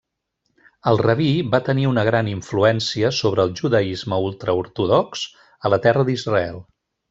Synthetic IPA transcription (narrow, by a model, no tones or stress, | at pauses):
əlˠrəβibat̪əniunəɣ̞ɾaniɱfluɛnsiəsoβɾəːlˠʒuðəizməulˠt̪ɾəuɾt̪uðɔks | ələt̪ɛrəðizrəɛlˠ